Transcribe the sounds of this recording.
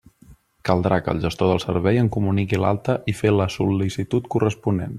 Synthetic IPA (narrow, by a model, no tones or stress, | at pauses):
kəlˠd̪ɾakə̰lˠʒəst̪oðəlˠsəɾβɛjəŋkumunikila̰lˠt̪əʔifeləsulisit̪ut̪kurəspunen